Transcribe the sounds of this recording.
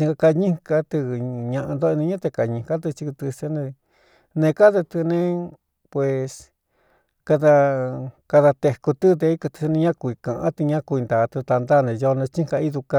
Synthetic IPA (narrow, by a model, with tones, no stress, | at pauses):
ĩ˧ŋɡa˧ka˧ɲĩ˦ka˧t̪ɨ˧ɲã˧ʔã˧nd̪o˦˧nĩ˧ɲã˦t̪e˧ka˧˨ɲĩ˧ka˦t̪̬ɨ˧t͡ʃi˧ku˧t̪ɨ˧se˧nẽ˧ | nẽ˧ka˦t̪e˧t̪ɨ˧nẽ˧ | pwe˨˧s | ka˧ða˧ka˧ða˧t̪e˧ku˧t̪ɨ˦d̪e˧i˦kɨ˧t̪ɨ̥˧snẽ˧˦ɲã˦kʷi˧kã˨ʔã̰˦t̪ɨ˧ɲã˦ku˧i˧nd̪a˨˧t̪ɨ˧t̪a˧nd̪a˦˧nẽ˧jo˧nẽ˧t͡ʃĩ˦ŋka˧i˦ðu˧ka˧